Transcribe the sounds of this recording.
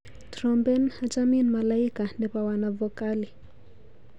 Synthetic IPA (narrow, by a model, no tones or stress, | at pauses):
tɾɔmbɛnat͡ʃaminmalaikandɛpawanavɔkali